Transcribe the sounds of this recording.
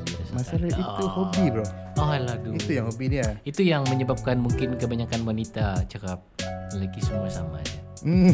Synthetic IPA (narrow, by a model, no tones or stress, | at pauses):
asmasalait̪uhobibɾɔɔɦladuit̪ujaŋhobiniait̪ujaŋməɲəbap̚kanmuŋkɪnkəbaɲakanwanit̪at͡ʃakap̚ələɡisəmuasama̰d͡ʒa